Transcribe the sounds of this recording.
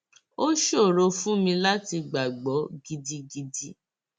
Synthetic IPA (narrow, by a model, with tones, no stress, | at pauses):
o˦ʃo˦˨ɾo˧fũ˦mĩ˧la˦ti˧ɡ͡ba˨ɡ͡bɔ˨˦ɡi˧di˧ɡi˧di˧˦